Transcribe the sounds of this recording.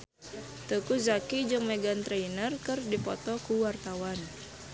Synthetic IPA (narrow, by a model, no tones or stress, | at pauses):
t̪əkuzakid͡ʒɨŋmeɡant̪ɾeinərkɨrdipɔt̪ɔkuwart̪awan